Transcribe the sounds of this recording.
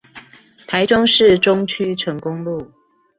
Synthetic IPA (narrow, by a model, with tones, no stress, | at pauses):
t̪ʰa˨˦ɪʈ͡ʂʊ˦˥ŋʂɻ̩˥˨ʈ͡ʂʊ˦ŋt͡ɕʰy˥˦ʈ͡ʂʰə˨˦ŋkʊ˦ŋlu˥˨